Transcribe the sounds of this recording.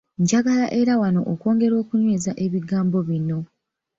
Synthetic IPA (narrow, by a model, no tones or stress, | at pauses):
ɲɟaɡalaʔe̞ɾawano̞̰ʔoko̞ːŋɡe̞ɾo̞ːkuɲwe̞ːzaʔe̞βiɡaːmbo̞βino̞